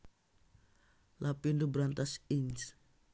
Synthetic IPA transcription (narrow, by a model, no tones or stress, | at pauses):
lʔapindubɾant̪asins